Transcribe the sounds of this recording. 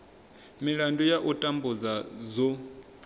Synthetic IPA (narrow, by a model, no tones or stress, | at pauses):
miɺandʱujaʔutʼambuzazɔ